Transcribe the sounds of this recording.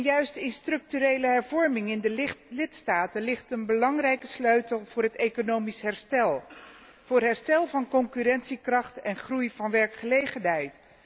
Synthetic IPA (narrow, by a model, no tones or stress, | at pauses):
njœɥstɪnstrɵk̚tyɾejləɦɛɹvɔɹmɪŋɪndəlɪtstaːtənlɪχtənbəlɑŋrɛjkəsløɥtəlˠv̥ʊːrɦətejkonowmisɦɛɹstɛlˠ | v̥ʊːrɦɛɹstɛlˠvɑnkɔŋkyɾɛnsikrɑχtɛnχrujv̥ɑnʋɛɹkχəlejχənɦɛjt